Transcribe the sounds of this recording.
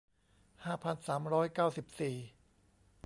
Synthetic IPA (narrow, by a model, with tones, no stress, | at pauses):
haː˥˩pʰa˧nsaː˩˦mɾɔː˦˥jkaː˥˩wsi˨˩p̚siː˨˩